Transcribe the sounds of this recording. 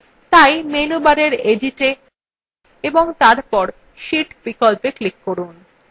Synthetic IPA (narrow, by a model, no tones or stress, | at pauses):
t̪ajmenubaɾeɾediʈe | eboŋt̪aɾpɔɾ | ʃiʈbikɔlpeklikːoɾun